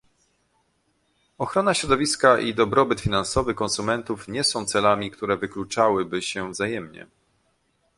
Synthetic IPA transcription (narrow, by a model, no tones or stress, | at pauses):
ɔxɾɔnaɕɾɔd̪ɔvʲiskaʔid̪ɔbɾɔbɘt̪fʲinansɔvɘkɔ̃nsumɛnt̪ufɲɛsɔ̃w̃t̪sɛlamʲikt̪uɾɛvɘklut͡ʂawɘbɘɕɛvzajɛmɲɛ̰